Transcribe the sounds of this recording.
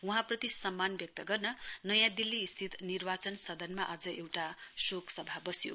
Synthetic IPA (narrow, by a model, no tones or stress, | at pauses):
uɦãprʌt̪isʌmːanbjʌk̚t̪ʌɡʌrnʌnʌjãd̪ilːiːst̪ʰit̪nirbat͡sʌnsʌd̪ʱʌnmaʔad͡zʌʔewʈasokʰsʌbʱabʌsjo̰